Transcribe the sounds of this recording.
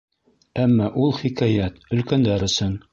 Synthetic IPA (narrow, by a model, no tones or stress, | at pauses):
æmːɑʔulˠχikæjæt̪ɵ̆lkænd̪æɾɵ̆sɵn